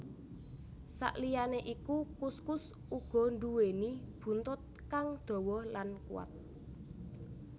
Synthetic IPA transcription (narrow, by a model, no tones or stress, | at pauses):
sa̰ʔlijaneʔikukuskʊs | ʔuɡ̥ɔ̤ɳduwenib̥ṳnt̪ʊt̪̚kaŋd̪̥ɔ̤wɔlankṵwa̰t̪̚